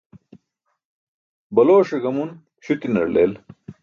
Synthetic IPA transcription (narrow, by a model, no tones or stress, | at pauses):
bɐloːɕeɡɐmun | ɕut̪inɐ̰ɾlḛːl